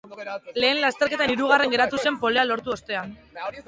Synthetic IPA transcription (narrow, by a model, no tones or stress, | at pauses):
le̞ːnlast̪eɾke̞t̪aiɾuɣ̞are̞ŋɡe̞ɾat̪use̞mpo̞lealo̞ɾt̪uo̞st̪e̞an